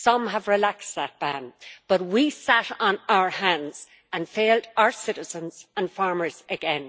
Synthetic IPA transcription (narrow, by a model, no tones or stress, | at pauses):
sʌ̃məvɹɪlaksðət̚b̥ãnb̥ʌt̚wisæɾn̩aʊə˞hãndz̥ | ə̃nfeːldaʊə˞sɪɾɪz̥ə̃nz̥ə̃nfɑɹmə˞z̥əɡɛ̃n